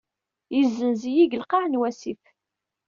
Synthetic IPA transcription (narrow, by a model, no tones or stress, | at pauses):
jizːənzijiɡəlqɑʕnwæsif